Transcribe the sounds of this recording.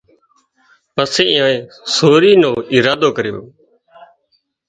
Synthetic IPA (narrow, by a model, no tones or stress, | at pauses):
pəseːɪːãːẽː | soːɾiːnõːɪːɾaːd̪oːkəɾjo̰ː